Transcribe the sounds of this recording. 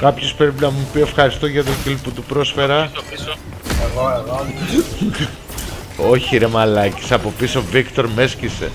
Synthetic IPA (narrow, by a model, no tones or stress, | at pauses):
kɐpçospɾepinɐmupie̞fxɐɾist̪o̞ʝɐðelciliput̪upɾo̞sfe̞ɾɐpis | eɣoeɣo | oçiiɾemɐlɐci̥sɐpo̞pisovikt̪o̞ɾmescise̞̰